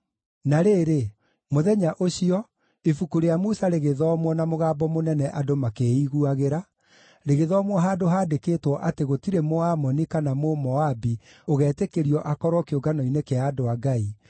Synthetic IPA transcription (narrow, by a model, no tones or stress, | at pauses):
naɾeːɾe | moðɛɲaʔoɕiɔ | efukuɾejamusaɾeɣeðɔmwɔnamoɣaːbɔmonɛnɛʔadomakeiɣuaɣeɾa | ɾeɣeðɔːmwɔɦaːdoɦaːdekeːtwɔʔateɣotiɾemoamɔnikanamomɔabi | oɣɛːtekeɾiɔʔakɔɾwɔkeoɡanɔinekeadoaɡai